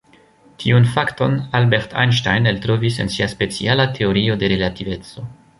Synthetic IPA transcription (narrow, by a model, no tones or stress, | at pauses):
tʰiunfakto̞nalbe̞ɾtʰa̰jnʃtajneltɾo̞vise̞̰nsiaspe̞t͡sialatʰe̞o̞ɾio̞de̞ɾe̞lative̞t͡so̞